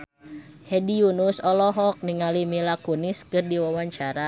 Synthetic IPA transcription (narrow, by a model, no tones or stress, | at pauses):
hɛdiunusɔlɔɦɔk̚niŋalimilakuniskɨrdiwawaɲt͡ʃaɾa